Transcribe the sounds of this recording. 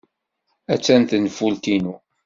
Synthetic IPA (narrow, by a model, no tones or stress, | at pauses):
æt͡sːænt̪ənfult̪inu